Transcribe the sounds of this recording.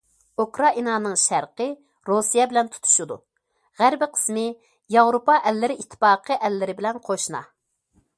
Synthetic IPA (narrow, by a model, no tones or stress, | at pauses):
ukɾɑʔinɑnɨŋʃæɾqə | ɾosijɛbɪlɛnt̪ʰu̥t̪ʰu̥ʃud̪ṵ | ʁæɾbɪqʰə̥smɪ | jɑvɾopɑʔɛlːɪɾɪʔit̪ʰːɪ̥pɑːqʰəʔɛlːɪɾɪbɪlɛnqʰoʃnɑ̰